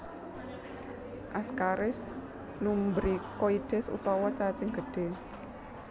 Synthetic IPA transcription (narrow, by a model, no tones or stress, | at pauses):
ʔaskaɾɪs | lumbɾikoiɖ̪̥ɛ̤sṵt̪ɔwɔt͡ʃat͡ʃɪŋɡ̥ə̤ɖ̥e̤